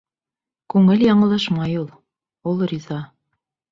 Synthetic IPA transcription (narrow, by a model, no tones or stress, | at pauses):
kʉŋɘljɑɴɤ̆lˠɑʃmɑjulˠ | ulˠrʲizɑ